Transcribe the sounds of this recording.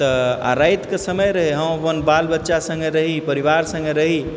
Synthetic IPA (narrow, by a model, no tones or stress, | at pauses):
t̪əa̰ɾajt̪kesəməjɾəɦeɦə̃mpənbalbət̪ːʃasə̃ŋɡeɾəɦipəɾiʋaɾsə̃ŋɡeɾəɦi